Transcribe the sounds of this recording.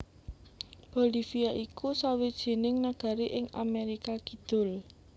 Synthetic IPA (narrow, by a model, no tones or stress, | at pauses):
b̥olifiaʔikusawid̥ʒ̥e̤nɪŋnaɡ̥a̤ɾiʔɪŋa̰meɾikaɡ̥i̤d̪̥ʊ̤l